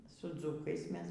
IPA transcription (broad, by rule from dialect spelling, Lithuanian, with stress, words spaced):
sʊ ˈd͡zʊkɐɪs ˈmʲɛs